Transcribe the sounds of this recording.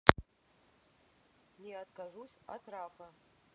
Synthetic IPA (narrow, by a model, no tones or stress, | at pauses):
nead̪kʰaʐusʲa̰tʰrapʰɐ